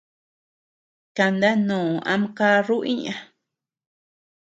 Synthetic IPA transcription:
ka˧nd̪a˦nũː˨a̰˧mka˦ɾu˦ʔĩ˦ɲã˧

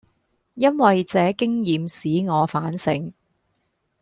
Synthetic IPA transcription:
jɐ˥nwɐ˨jt͡sɛː˨˧kɪ˥ŋjiː˨msiː˨˥ŋɔː˨˧faː˨˥nsɪ̰˨˥ŋ

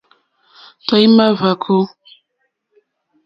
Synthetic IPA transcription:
ta˨˦ji˦ma˦va˨kʰo˦

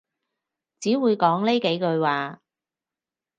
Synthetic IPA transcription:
t͡siː˨˥wuː˨˧jkɔː˨˥ŋle˥ke˨˥jkɵ˧ɥwaː˨˧

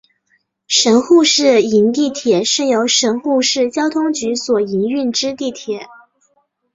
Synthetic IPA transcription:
ʂə˧˥nxu˥˧ʂɻ̩˥˩i˧˥nt̪i˥˩t̪ʰjɛ˨˩˦ʂ̩˥˩ŋjo˧˥ʊʂə˧˥nxu˥˧ʂɻ̩˥˩t͡ɕjɑ˥ʊt̪ʰʊ˥ŋt͡ɕy˧˥swɔ˨˩i˧˥ny˥˩nʈ͡ʂɻ̩˥t̪i˥˩t̪ʰjɛ˨˩˦

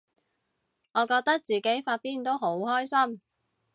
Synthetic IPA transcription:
ŋɔː˨˧kɔː˧k̚t̪ɐ˥k̚t͡siː˨ke˨˥jfaː˧t̚t̪iː˥nt̪o˥wɦo˨˥wɦɔː˥jsɐ˥m

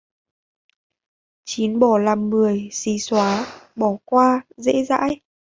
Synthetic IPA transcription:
t͡ɕi˨˦nɓɔ˧˩laː˨˩mːɨ˨˩əjsi˨˦swaː˨˦ɓɔ˧˩kwaː˧zḛ˧˥za̰ː˧˥j

